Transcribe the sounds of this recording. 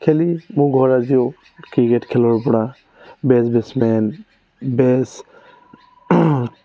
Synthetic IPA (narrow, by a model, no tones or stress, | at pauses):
kʰɛlimũɡʱɔɹazijo | kikɛtkʰɛlɔɹpɔɽa | bɛsbɛsmɛn | bɛs